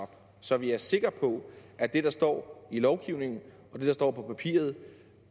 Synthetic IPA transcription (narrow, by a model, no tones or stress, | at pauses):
ɒ̽b̥ | sɒ̽ʋiæɐse̝ɡ̥ɐpʰɒ̽ʔæd̥e̝d̥ɑ̈sd̥ɒ̰ːilɒʊɡ̥iʊne̝ŋn̩ | ɒ̽d̥e̝d̥ɑ̈sd̥ɒ̰ːpʰɒ̽pʰæpʰḭːɐð̞̩ˠ